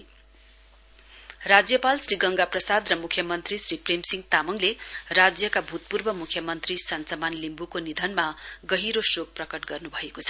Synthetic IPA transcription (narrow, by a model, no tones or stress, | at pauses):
rad͡zjʌpalsriɡʌŋɡaprʌsad̪rʌmukʰːjʌmʌnt̪risripremsiŋɡt̪amʌŋlerad͡zjʌkabʱut̪̚purbʌmukʰːjʌmʌnt̪risʌnt͡sʌmanlimbukonid̪ʱʌnmaɡʌɦiɾosok̚prʌkʌʈɡʌrnubʱʌekot͡sʰʌ̥